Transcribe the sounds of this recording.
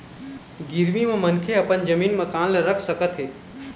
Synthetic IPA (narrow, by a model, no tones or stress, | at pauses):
ɡɪɾmimãmənkʰeɐpənd͡ʒəmiːnmãkãːnləɾəkʰsəkət̪ɦeː